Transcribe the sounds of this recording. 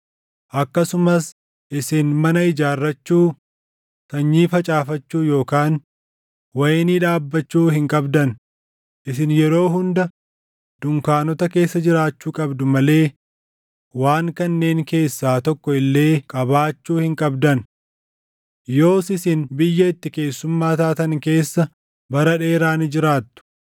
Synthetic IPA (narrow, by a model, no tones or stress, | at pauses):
ʔɐkːɐsʊmɐs | ʔɪsɪnmɐnɐɪd͡ʒaːrːɐt͡ʃːuː | t̪ɐɲːiːfɐt͡ʃʼaːfɐt͡ʃːuːjo̞ːkaːn | wɐjniːᶑaːbːɐt͡ʃːuːhɪŋkʼɐbd̪ɐn | ʔɪsɪnjɛɾo̞ːɦʊnd̪ɐ | d̪̥ʊŋkaːnɔt̪ɐke̞ːsːɐd͡ʒɪɾaːt͡ʃːuːkʼɐbd̪ʊmɐle̞ː | waːŋkɐnːe̞ːŋke̞ːsːaːt̪ɔkːɔɪlːe̞ːkʼɐbaːt͡ʃːuːhɪŋkʼɐbd̪ɐn | jo̞ːsɪsɪnbɪjːɐɪt̪ːɪke̞ːsːʊmːaːt̪aːt̪ɐŋke̞ːsːɐ | bɐɾɐᶑe̞ːɾaːnɪd͡ʒɪɾaːt̪ːʊ̥